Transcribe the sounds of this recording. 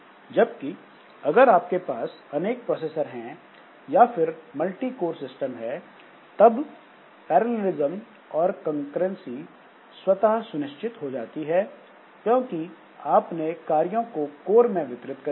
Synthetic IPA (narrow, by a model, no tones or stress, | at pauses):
d͡ʒɐb̚ki | ɐɡəɾaːp̚kepaːs | ɐneːk̚pɾɔːseːsəɾɦɛ̃ | jafʰɪɾmɐlʈikoːɾsɪsʈəmɦɛ | t̪ɐb | pɛːɾəleɾɪzəm | ɔːɾkə̃ŋkɾə̃nsi | swɐt̪aɦsʊnɪʃt͡ʃʰɪt̪ɦod͡ʒaːt̪iɦɛː | kjõːki | aːpnekaːɾijõkokoːɾmẽʋɪt̪ɾɪt̪kɐ